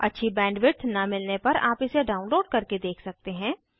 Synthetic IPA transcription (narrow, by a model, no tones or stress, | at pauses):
ɐ̰tːʃʰibɛ̃ːɳɖʋɪʈnɐmɪlnepɐɾa̰ːpɪseɖaːʊ̃nloːɖ̚kɐɾked̪eːkʰsɐk̚t̪eɦɛ̃ː